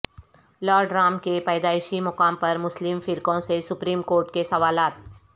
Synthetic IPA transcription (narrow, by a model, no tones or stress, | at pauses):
lɔːɾɖɾaːmkepɛːd̪aːɪʃimʊkaːmpɐɾmʊslɪmfɪɾkõsesʊpɾiːmkoːɾʈkesɐʋaːlaːt̪̚